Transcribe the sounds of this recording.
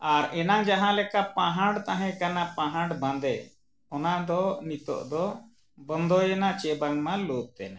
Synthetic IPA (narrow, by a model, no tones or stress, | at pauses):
aɾɛnaŋd͡ʒaɦãlɛkapãɦãɖt̪aɦɛ̃kanapãɦãɖbãnd̪ɛ | ɔnad̪ɔnit̪ɔ̰ʔd̪ɔ | bənd̪ɔjɛnat͡ʃɛbaŋmãlɔt̪ɛ̰na